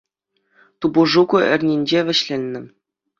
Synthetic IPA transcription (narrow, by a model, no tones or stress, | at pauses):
t̪ubuʐukuʔɘ̆rʲnʲinʲd͡ʑeʋʲɘ̆ɕlʲenʲːɘ̆